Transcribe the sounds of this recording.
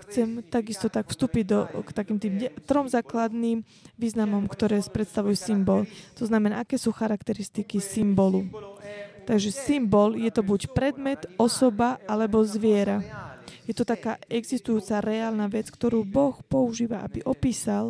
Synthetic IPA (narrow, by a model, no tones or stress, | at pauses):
xt͡sɛmt̪aɡist̪ɔt̪akfst̪uːpiɟd̪ɔkt̪akiːmt̪iːmt̪ɾɔmzaːklad̪niːm | ʋiːznamɔmkt̪ɔɾɛːspɾɛt̪st̪aʋujɛsimbɔlt̪ɔznamɛnaːakɛːsuːxaɾakt̪ɛɾist̪ikisimbɔlu | t̪aɡʒɛsimbɔljɛt̪ɔbucpɾɛd̪mɛt̪ɔsɔbaalɛbɔzʋɪɛɾajɛt̪ɔt̪akaːɛɡzist̪ujuːt͡saɾɛaːlnaʋɛt͡skt̪ɔɾuːbɔxpɔuʒiːʋaʔa̰biʔɔpiːsal